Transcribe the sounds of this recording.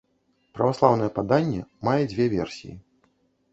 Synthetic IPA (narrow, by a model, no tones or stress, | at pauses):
pɾɐvaslˠawnɐjɛpad̪anʲːɛmajɛd͡zʲvʲɛvʲɛ̰rsʲḭjḭ